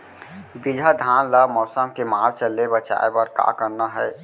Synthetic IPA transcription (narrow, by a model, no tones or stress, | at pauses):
bid͡ʒʱad̪ʱaːnlamɔːsəmkemaːɾt͡ʃəlːebət͡ʃa̰ːebəɾka̰ːkəɾnaɦɛː